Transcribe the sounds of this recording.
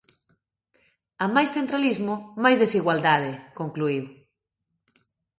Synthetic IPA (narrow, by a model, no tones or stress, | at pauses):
amajsθent̪ɾalizmʊmajzðesiɣwald̪aðekoŋkluiw